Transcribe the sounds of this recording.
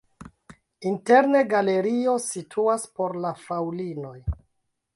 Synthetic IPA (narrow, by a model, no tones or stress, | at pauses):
inte̞ɾne̞ɡale̞ɾio̞sitʰuaspo̞ɾlafawlino̞j